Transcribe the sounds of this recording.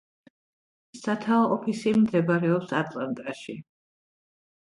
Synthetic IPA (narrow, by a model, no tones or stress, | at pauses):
sat̪ʰaɔʔɔpʰisimd̪ɛbaɾɛɔpsat̪ʼlˠant̪ʼaʃi